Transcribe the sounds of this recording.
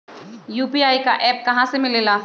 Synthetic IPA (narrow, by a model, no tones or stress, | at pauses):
juːpiaːika̰ʔɛːp̚kɐɦãsemɪleːlaː